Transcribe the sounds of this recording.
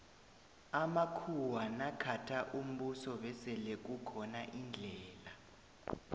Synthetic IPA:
amakʰuwanakʰatʰaʔum̩ɓusɔɓɛsɛlɛk̬ukʰɔnaʔind͡ɮʱɛːla

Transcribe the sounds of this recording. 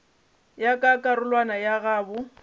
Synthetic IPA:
jakʼakʼaɾʊlwanajaɣaːbʊ

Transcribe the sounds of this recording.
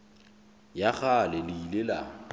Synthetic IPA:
jaɣalɪlɪilela̰

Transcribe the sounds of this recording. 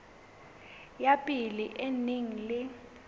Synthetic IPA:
japʼiliʔeniŋ̩lɪ

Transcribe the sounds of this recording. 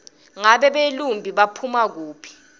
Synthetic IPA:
ŋaɓɛɓelumbʱiɓapʰumak̬uːpʰi̥

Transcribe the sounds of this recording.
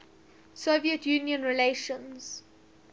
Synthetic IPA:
soviətʰjũːnjə̃nɹileʃə̃nz̥

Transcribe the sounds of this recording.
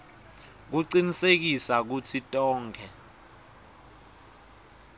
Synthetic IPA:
k̬uǀinisek̬isak̬utʰitʼɔːŋkʰɛ

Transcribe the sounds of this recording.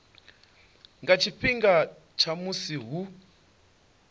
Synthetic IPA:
ŋɡat͡ʃipiŋɡa | t͡ʃamusiɦu

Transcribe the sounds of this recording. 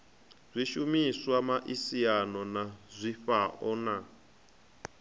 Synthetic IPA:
z̥ʷiʃumiswamaʔisianɔnazʷiɸaʔɔna

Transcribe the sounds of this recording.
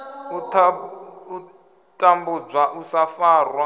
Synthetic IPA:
utʰau | tʼambub͡ʐwaʔusafaːrwa

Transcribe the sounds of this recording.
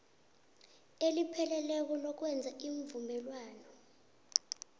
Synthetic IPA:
elipʰɛlɛlɛk̬ɔlɔk̬wɛnd͡zʱaiɱvumɛlwaːnɔ

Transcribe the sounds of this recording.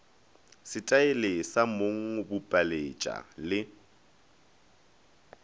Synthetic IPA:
sɪtʼaelesamoŋ̩bʊpʼalet͡ʃʼa̰lɪ

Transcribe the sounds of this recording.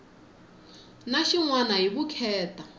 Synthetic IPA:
naʃiŋwanaɦiβukʰɛːta

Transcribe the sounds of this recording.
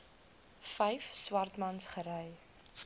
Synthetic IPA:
fɛjfswɐrtmɐnsχəɾɛj

